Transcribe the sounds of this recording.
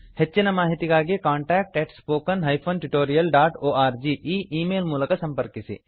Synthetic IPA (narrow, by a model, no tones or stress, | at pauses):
hetːt͡ʃinɐmaːɦit̪ikaːɡekaːɳʈɛːk̚ʈeʈspoːkɐnɦɐjpʰoːnʈuʈoːɾijɐlɖaːʈoːʔaːɾd͡ʒiːʔiːʔiːmeːlmuːlɐkɐsɐ̃mpɐɾkisḭ